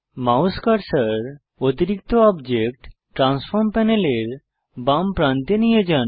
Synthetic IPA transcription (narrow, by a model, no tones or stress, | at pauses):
mawskaɾsaɾ | ot̪iɾik̚t̪oɔbd͡ʑek̚ʈ | ʈɾansfʰoɾmpɛneleɾ | bampɾant̪enijed͡ʑan